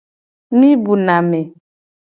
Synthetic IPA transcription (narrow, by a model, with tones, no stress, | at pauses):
mĩ˦bu˨na˨mɛ˨